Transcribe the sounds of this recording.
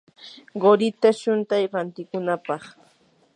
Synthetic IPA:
ɢoɾɪt̪aʃʊnt̪ajɾant̪ɪkʊnapɑχ

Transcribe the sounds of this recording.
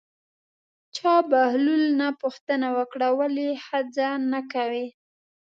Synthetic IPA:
t͡ʃɑbahlulnapuxt̪ənawəkɽawalihad͡zanakawi

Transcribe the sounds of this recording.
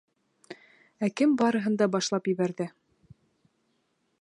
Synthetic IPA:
ækɘmbɑɾɤ̆ɦɤ̆nd̪ɑbɑʃlˠɑpjɘ̆βæɾðɘ

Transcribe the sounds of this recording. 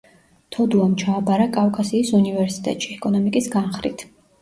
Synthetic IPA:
t̪ʰɔd̪uamt͡ʃʰaːbaɾakʼafkʼasiːsunivɛɾsi̥t̪ʼɛ̰t̪ʼʃiɛkʼɔnɔmikʼisɡanχɾḭt̪ʰ

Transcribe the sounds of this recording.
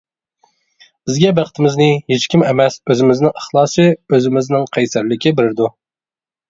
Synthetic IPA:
bɪzɡʲɛbæqt̪ʰɪmɪznɪɦet͡ʃkʲimɛmɛsøzɪmɪznɪŋəχlˠɑːsɨøzɪmɪznɪŋqʰɛjsæɾlɪkʲɪbɪɾɪɾd̪u

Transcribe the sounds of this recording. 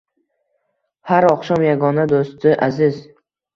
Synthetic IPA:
haɾɒqʃɒmjaɡɒnad̪ost̪ɪʔazɪz

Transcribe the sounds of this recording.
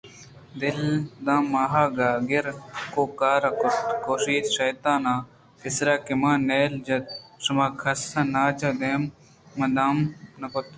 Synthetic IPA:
d̪ɪld̪ãːmaːɦaːɡaːɡɪɾkoːkaːɾɐkʊt̪koːʃiːt̪ʃɐjt̪ãːnãː | kɪsɾaːkimãːneːld͡ʒɐt̪̚ʂɐmaːkʰɐsɐ̃naːt͡ʃɐd̪eːmː | ɐd̪aːmnɐkʊt̪

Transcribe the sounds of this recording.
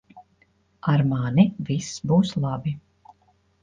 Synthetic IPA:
aɾmaːnivisːbuːslˠɑbi

